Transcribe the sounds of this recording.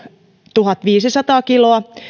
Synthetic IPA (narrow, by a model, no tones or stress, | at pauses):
t̪uɦɑt̪ʋiːsisɑt̪ɑːkiloɑ